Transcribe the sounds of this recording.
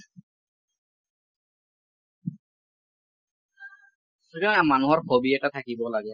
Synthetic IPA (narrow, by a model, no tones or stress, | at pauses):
sikanamanuɦɔɹkʰobiɛtat̪ʰakibɔlaɡɛ